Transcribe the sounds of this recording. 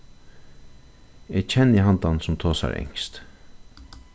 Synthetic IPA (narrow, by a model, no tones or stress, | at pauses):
et͡ʃʰɛnːiɦɑnd̪ɑnsumt̪ʰoːsa̰ɾʔɛ̰ŋkst̪